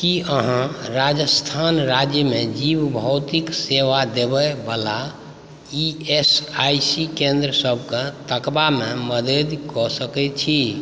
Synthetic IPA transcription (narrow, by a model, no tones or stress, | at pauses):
kiəɦãɾad͡ʒəst̪ʰanɾad͡ʒjəmed͡ʒibbʱəwt̪ikseʋad̪ebɛbəla | iesajsikẽnd̪ɾəsəbʱket̪əkbameməd̪ed̪kɔsəkɛt͡ʃʰi